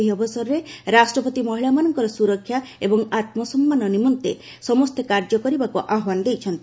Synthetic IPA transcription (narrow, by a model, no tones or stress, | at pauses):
iɔbɔsɔɾɔɾeɾasʈɾɔpɔt̪imɔɦiɭamanɔŋkɔɾɔsuɾɔkʰːjaebɔŋat̪mɔsɔmːanɔnimɔnt̪ḛ | sɔmɔst̪ʰekaɾd͡ʒɔkɔɾibakuʔaɦwand̪ejt͡ʃʰɔnt̪i